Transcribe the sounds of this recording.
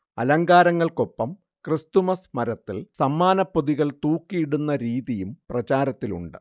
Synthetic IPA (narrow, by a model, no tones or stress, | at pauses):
ɐ̰lɐŋɡaːɾɐŋːɐɭko̞pːɐm | krɨst̪umɐsmɐɾɐt̪ːilsɐmːaːnɐpːoðiɣɐɭt̪uːkːijiɽunːɐɾiːðijumprɐt͡ɕaːɾɐt̪ːilṵɳɖɨ